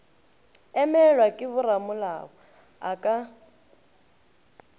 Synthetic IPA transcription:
ɛmɛlwakʼɪβʊramʊla̰ɣɔ | a̰kʼa

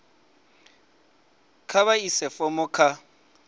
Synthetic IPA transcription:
kʰaβaisɛfɔmʊkʰa

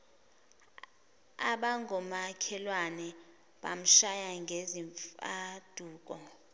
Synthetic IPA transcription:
a̰ɓaŋʱɔmakʰɛlwanɛ | ɓa̰m̩ʃajaŋɡʱeziɱfad̥ʱuːk̬ʼɔ

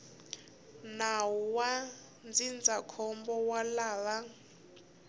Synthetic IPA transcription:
nawuwa | nd͡zind͡zakʰɔmbɔwalaːβa

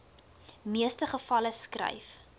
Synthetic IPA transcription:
miəstəχəfɐləskrɛ̰jf

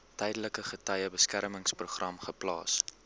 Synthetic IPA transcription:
tɛjdələkəχətɐjəbəskæɾməŋspruχrɐmχəplɑ̰ːs

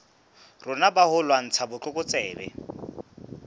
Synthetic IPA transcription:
rʊnabahʊlwan̩t͡sʰabʊt͡ɬʊkʼʊt͡sʼɛːbɛ̰

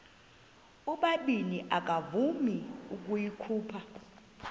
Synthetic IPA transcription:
uɓaɓiniʔak̬ʼavumiuk̬ujikʰuːpʰa

